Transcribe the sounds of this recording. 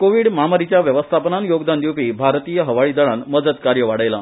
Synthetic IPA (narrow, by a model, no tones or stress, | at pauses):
koʋiːɽmaməɾit͡ɕjaʋjəʋəst̪ʰapənanjoɡd̪and̪juwpiːbʱaɾt̪ijəɦəʋaɭiːd̪əɭanməd͡zəd̪kaɾjəʋaɽəjla